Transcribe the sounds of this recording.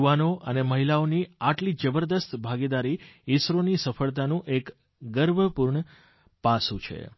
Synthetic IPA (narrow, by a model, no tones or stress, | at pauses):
uʋanoʔəneməɦilaoniaʈlid͡ʒəbəɾd̪əst̪bʱaɡid̪aɾiɪsɾonisəfəɭt̪anũʔek | ɡəɾbʱəpuɾɳə | pasũt͡ʃʰḛ